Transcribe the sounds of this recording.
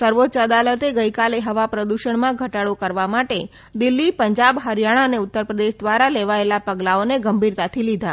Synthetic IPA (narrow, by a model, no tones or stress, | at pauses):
səɾʋot̪ːt͡ʃəd̪alət̪eɡəjkaleɦəʋapɾəd̪uʃəɳmãɡʱəʈaɽokəɾʋamaʈe | d̪ɪlːipəɲd͡ʒabɦəɾjaɽ̃aəneʊt̪ːəɾpɾəd̪eʃd̪ʋaɾaleʋaelapəɡlaoneɡəmbʱiɾt̪at̪ʰilid̪ʱa